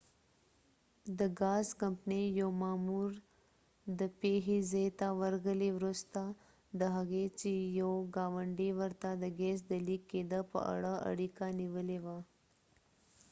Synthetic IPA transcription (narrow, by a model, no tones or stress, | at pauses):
d̪əɡaːzkɐmpnejoːmaːmuːɾ | d̪əpeːɦizeːt̪aʋəɾɡəliʋɾʊst̪a | d̪əɦɐɡet͡ʃijoɡaːʋəɳɖiʋəɾt̪ad̪əɡeːs̬d̪əlikːeːd̪əpə̰ə̰ɽəə̰ɽikaniʋəleʋaː